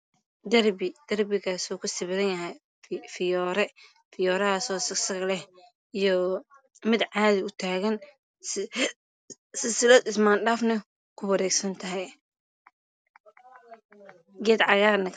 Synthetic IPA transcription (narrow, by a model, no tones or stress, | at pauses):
d̪ɐrbɪd̪̥ɐrbɪɣaːsuːkʰʊsɪβɪðɐnjɐɦɛj | fɪjɔːɾɛ | fɪjɔːɾɐhasɔːsɐɡsɐɣɐlɛh | ijɔ | mɪd̪ʕaːðɪʊt̪ʰaːɣɐn | s | sɪsɪlɐd̪ɪsmaːnɖaːfnɐ | kʰʊwɐɾɛːɡsɐnt̪ʰɐɦɛj | ɡɛːd̪ʕɑjaːɾnɐk